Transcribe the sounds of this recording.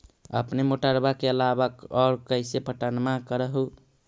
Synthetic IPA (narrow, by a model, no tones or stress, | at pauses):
ə̰pnemoʈaɾbakeəlabəkɔɾkəɪsepəʈənmakəɾəɦu